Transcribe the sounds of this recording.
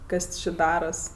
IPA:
ˈkɐs t͡ʃʲɪ ˈdɑːrɐs

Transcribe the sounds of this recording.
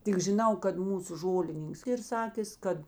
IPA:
tʲɪk ʒʲɪˈnɐʊ kɐt ˈmuːsʊ ˈʒoːlʲɪnʲɪŋks ˈiːr ˈsɑːkʲeːs ˈkɐt

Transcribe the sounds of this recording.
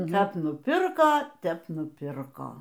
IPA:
ˈkɐp nʊˈpʲɪrkoː ˈtʲɛp nʊˈpʲɪrkoː

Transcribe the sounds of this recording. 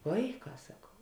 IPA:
ˈʋɐɪˌkɑː sɐˈkɐʊ

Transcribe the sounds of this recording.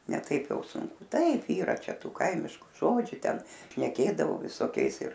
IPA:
nʲɛ ˈtɐɪp ˈjɛʊ sʊŋˈkʊ ˈtɐɪp ˈiːrɐ ˈt͡ʃʲɛ ˈtuː ˈkɐɪmʲɪʃkʊ ˈʒoːd͡ʒʲʊ ˈtʲɛn ʃʲnʲɛˈkʲeːdɐʋoː ʋʲɪsoːˈkʲɛɪs ɪr

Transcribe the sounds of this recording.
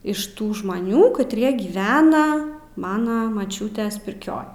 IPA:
ɪʃ ˈtuː ʒmɐˈnʲuː kɐtʲˈrʲiɛ ɡʲiːˈʋʲæːnɐ ˈmɑːnɐ mɐˈt͡ʃʲuːtʲeːs pʲɪrʲˈkʲoːj

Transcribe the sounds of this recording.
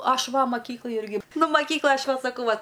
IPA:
ˈɐʃ ˈʋɐ mɐˈkʲiːklˠɐj ˈɪrʲɡʲɪ ˈnʊ mɐˈkʲiːklˠɐj ˈɐʃ ˈʋɐt sɐˈkɐʊ ˈʋɐt

